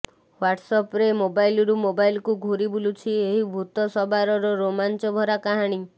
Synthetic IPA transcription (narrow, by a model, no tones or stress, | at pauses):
waʈsɔpɾemobajilɔɾumobajlkuɡʱoɾibulut͡ʃʰieɦibʱut̪ɔsɔbaɾɔɾɔɾomant͡ʃɔbʱɔɾakaɦaɽ̃i